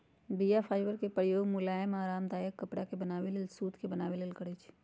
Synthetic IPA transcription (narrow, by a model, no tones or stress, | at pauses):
bijapʰaːɪʋəɾkepɾəjoːɡmulaːjmaːɾaːmd̪aːjəkːəpɽakebənaːʋeleːlsuːt̪ʰkebənaːʋeleːlkəɽɛt͡ʃʰ